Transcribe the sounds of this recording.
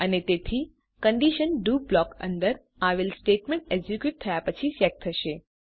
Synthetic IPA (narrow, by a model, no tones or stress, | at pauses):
ənet̪et̪ʰi | kəɳɖiʃənɖublɔkə̰nd̪əɾ | aʋelsʈeʈmẽɳʈeɡd͡ʒikjuʈ̚t̪ʰːəjapət͡ʃʰiʃɛk̚t̪ʰːəʃe